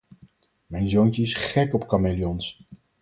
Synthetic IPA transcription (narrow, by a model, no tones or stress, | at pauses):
mɛjnzownt͡ʃəɪsχɛkɔpkamelijɔns